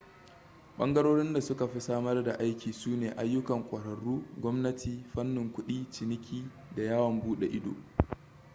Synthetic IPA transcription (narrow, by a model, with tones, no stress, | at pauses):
ɓɐ̰˦ŋɡɐ˦ɾoː˦ɽɪ˦nda˨sʊ˦ka˨ɸi˦saː˦mɐ˦rda˨ʔa˦jkʲiː˨suː˦neː˨ʔa˦jːʊ˦kɐ˨ŋkʷʼɐ˨ɽɐ˨ɽuː˦ɡʷɔ˦mnɐ˦tʰiː˨ɸɐ˦nːʊ˨ŋkʷʊ˦ɗiː˦t͡ʃɪ˨nɪ˦kʲiː˦ | da˨jaː˦wɐ˨mbuː˦ɗe˨ʔɪ˦do̰ː˨